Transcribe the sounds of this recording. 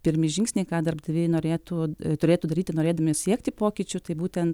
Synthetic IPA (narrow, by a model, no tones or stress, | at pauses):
pʲɪɾʲmʲɪʒʲɪŋksʲnʲɛɪkɑːd̪ɐrbd̪ɐʋʲeːjnoːɾʲeːt̪uːt̪ʊɾʲeːt̪uːd̪ɐɾʲiːt̪ʲɪnoːɾʲeːd̪ɐmʲɪsʲiɛkt̪ʲɪpoːkʲɪt͡ʃʲʊt̪ɐɪbuːt̪ʲɛnt̪